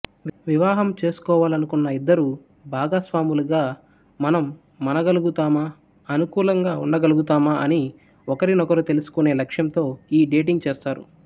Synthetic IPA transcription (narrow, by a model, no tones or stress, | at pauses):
ʋiʋaːɦɐmt͡ʃe̞ːsu̥kɔːʋaːlɐnukunːɐid̪ːɐɾu | bʱaːɡaːsʋaːmuluɡaː | mɐnɐmː | ɐnɐɡɐluɡut̪aːmaː | ɐnukuːlɐŋɡaːṵɳɖɐɡɐluɡut̪aːmaʔɐni | ɔkɐɾinɔkɐɾut̪e̞lusu̥kune̞ːlɐkʂjɐmt̪o̞ːiːɖeːʈ̬iŋɡ̚t͡ʃeːst̪aːɾṵ